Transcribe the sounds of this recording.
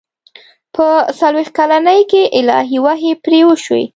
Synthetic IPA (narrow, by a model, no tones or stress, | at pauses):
pəsalwext̪̚kalanəjkeʔɪlɑ̰ɦiwaɦepɾewəʃwḛ